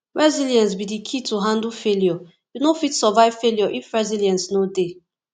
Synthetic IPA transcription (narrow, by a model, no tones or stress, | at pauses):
ɹɛzilijɛ̃nsbidikʰituɦãndufeljɔ | junofitsɔvaɪv̥feljɔʔifɹɛziliɛ̃nsnode